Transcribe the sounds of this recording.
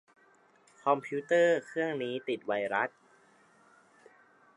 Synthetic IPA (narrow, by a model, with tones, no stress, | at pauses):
kʰɔ˧mpʰiː˦˥t̪ɤː˥˩kʰɯ˥˩əŋniː˦˥t̪i˨˩t̪̚wa˧jɾa˦˥t̪̚